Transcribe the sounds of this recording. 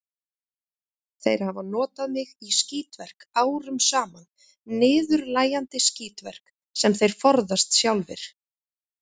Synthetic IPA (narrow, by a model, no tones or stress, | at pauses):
θejɾhavanɔːt̪aðmɪɣisciːt̪vɛr̥kaːwɾʏmsaːman | nɪːðʏɾlaːjant̪ɪsciːt̪vɛr̥k | sɛmθejɾ̥fɔɾðast̪sjawlvɪ̰ɾ̥